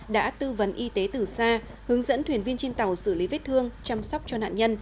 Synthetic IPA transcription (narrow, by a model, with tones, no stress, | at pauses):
ɗa̰ː˧˥t̪ɨ˧və˨˦nʔi˧t̪e˨˦t̪ɨ˨˩saː˧ | hɨ˨˦əŋzə̰˧˥nt̪ʰwi˨˩ənvi˧ənt͡ɕe˧nt̪a˨˩wsɨ˧˩li˨˦ve˦˥t̚t̪ʰɨ˧əŋt͡ɕa˧msa˦˥wk͡p̚t͡ɕɔ˧na̰ː˧˨nɲə˧n